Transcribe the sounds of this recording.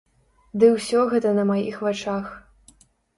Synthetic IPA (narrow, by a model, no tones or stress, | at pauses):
d̪ɨwsʲɔɣɛt̪ɐnɐmajixvat͡ʂax